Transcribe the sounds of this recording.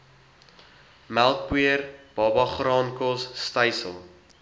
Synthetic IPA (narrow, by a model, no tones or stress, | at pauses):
mælˠk̚bwiərb̥ɑːbɑχrɑːnkɔsːtəjsə̰lˠ